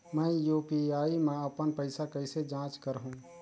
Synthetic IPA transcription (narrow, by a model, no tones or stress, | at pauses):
mɛ̃ːjuːpiaːimẽəpənpəɪsakəɪsed͡ʒãːt͡ʃkəɾɦũ